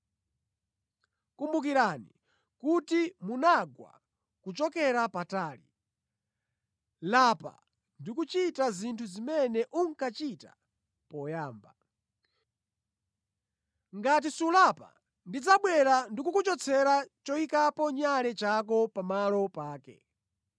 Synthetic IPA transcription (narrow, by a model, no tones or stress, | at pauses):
kumbuk̬iɾani | kutimunaɡwa̰ | kut͡ʃɔkɛɾapataːlḭ | lapa̰ | ndikut͡ʃitazintʰuzimɛnɛʔuŋkat͡ʃita̰ | pɔjaːmba | ŋɡat̬isulapa̰ | ndid͡zaɓwɛɾandikukut͡ʃɔt͡sʰɛɾat͡ʃɔikapɔɲalɛt͡ʃak̬ɔpamalɔpaːkɛ̰